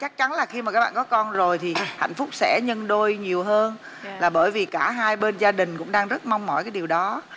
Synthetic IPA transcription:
t͡ɕa˦˥k̚t͡ɕa˨˦nlaː˨˩xi˧maː˨˩kaː˦˥k̚ɓaː˨kɔ˨˦kɔ˧nzo˨˩jt̪ʰi˨˩ha̰˧˨jŋ̟fʊ˦˥k͡p̚sɛ̰˧˥ɲə˧nɗo˧jɲi˨˩əwɦəː˧n | laː˨˩ɓəː˧˩jvi˨˩kaː˧˩ɦaː˧jɓe˧nzaː˧ɗï˨˩ŋ̟kʊ̰˧˥ŋ͡mɗaː˧ŋzə˦˥t̚ma˧wŋ͡mmɔ̰˧˩jkaː˨˦jɗi˨˩əwɗɔ˨˦

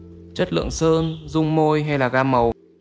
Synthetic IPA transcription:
t͡ɕə˦˥t̚lɨ̰˧˨əŋsəː˧nzʊ˧ŋ͡mmo˧jɦa˧jlaː˨˩ɣaː˧mə˨˩w

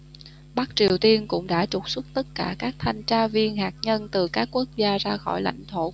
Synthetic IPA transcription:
ɓa˦˥k̚t͡ɕi˨˩əwt̪i˧ənkʊ̰˧˥ŋ͡mɗa̰ː˧˥t͡ɕʊ˨˩k͡p̚su˦˥k͡p̚t̪ə˦˥t̚kaː˧˩kaː˦˥k̚t̪ʰa˧jŋ̟t͡ɕaː˧vi˧ənɦaː˨˩t̚ɲə˧nt̪ɨ˨˩kaː˦˥kːu˦˥ək̚zaː˧zaː˧xɔ˧˩jla̰˧˩jŋ̟t̪ʰo˧˩

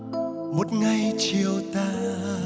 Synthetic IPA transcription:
mo˨˩t̚ŋa˧˩jt͡ɕi˨əwt̪aː˧

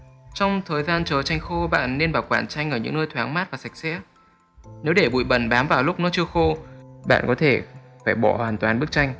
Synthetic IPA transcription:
t͡ɕɔ˧wŋ͡mt̪ʰəː˨˩jzaː˧nt͡ɕəː˨˩t͡ɕa˧jŋ̟xo˧ɓa̰ː˧˨nːe˧nɓaː˨˩wkwaː˧˩nt͡ɕa˧jŋ̟ʔəː˧˩ɲɨ̰˧˥ŋnəː˧jt̪ʰwaː˨˦ŋmaː˦˥t̚vaː˨˩sa˨˩jk̚sɛ̰˧˥ | ne˨˦wɗe˧˩ɓṵ˧˨jɓə˧˩nɓaː˨˦mvaː˨˩wlʊ˦˥k͡p̚nɔ˨˦t͡ɕɨ˧əxo˧ɓa̰ː˧˨nkɔ˨˦t̪ʰe˧˩faː˧˩jɓɔ˧˩hwaː˨˩nt̪waː˨˩nɓɨ˦˥ək̚t͡ɕa˧jŋ̟

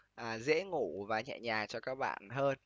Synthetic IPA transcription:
ʔaː˨˩zḛ˧˥ŋu˧˩˦vaː˨˩ɲɛ̰˧˨ɲaː˨˩t͡ɕɔ˧kaː˦˥k̚ɓa̰ː˧˨nɦəː˧n

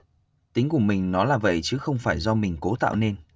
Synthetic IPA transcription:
t̪ï˨˦ŋ̟kʊ˧˩mi˨˩ŋ̟nɔ˨˦laː˨˩və̰˧˨jt͡ɕɨ˨˦xə˧wŋ͡mfaː˧˩jzɔ˧mï˨˩ŋ̟ko˨˦t̪a̰ː˧˨wne˧n

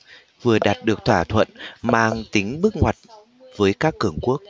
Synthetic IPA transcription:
vɨ˨˩əɗaː˨˩t̚ɗɨ˨˩ək̚t̪ʰwaː˧˩t̪ʰwə̰˧˨nmaː˧˩ŋt̪i˨˦ŋ̟ɓɨ˦˥k̚ŋwa˨˩jt̚ | vəː˨˦jkaː˦˥kːɨ˧˩əŋku˦˥ək̚

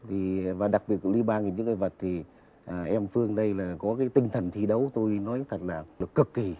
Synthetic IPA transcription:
t̪ʰi˨˩vaː˨˩ɗa˨˩k̚ɓi˨˩ət̚li˧ɓaː˧nŋi˨˩ɲɨ̰˧˥ŋəː˧˩və˨˩t̚t̪ʰi˨˩ | ʔʔɛ˧mfɨ˧əŋɗə˧jlaː˨˩kɔ˨˦kaː˨˦jt̪ï˧ŋ̟t̪ʰə˨˩nt̪ʰi˧ɗə˨˦wt̪o˧jnɔ˨˦jt̪ʰə˨˩t̚laː˨˩ə˨˩kɨ˨˩kːi˧˩

